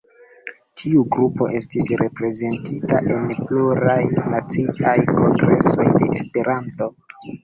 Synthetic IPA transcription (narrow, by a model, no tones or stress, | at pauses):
tʰiuɡɾupo̞̰ʔe̞stisɾʔe̞pɾe̞ze̞ntʰitaʔe̞npluɾajnat͡siʔajko̞ŋɡɾe̞̰so̞̰jde̞̰ʔespe̞ɾʔanto̞